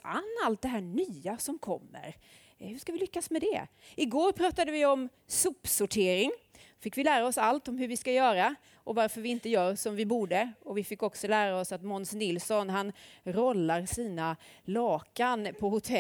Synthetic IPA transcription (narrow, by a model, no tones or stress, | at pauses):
a̰nːalt̪̚d̪ɛɦæːɳyːasɔmkʰɔ̰mːə̰ɾ | hɵʂkavɪlʏkːasmɛd̪ɛ̰ɪɡoːɾpʰɾɑːt̪ad̪əvɪɔm | sɵpːsʊʈʰeːɾɪŋ | fɪkːvɪlæːɾaɔsalt̪ɔmɦɵɾvɪskajœːɾa | ʔɔvaɾfœɾvɪɪnt̪əjœːɾsɔmvɪbuːɖəɔvɪfɪkːɔksɔlæːɾaɔsat̪mɔnsnɪlsɔnɦanɾɔlːaɾsiːnalɑːkanpʰɔhʊt̪ʰɛ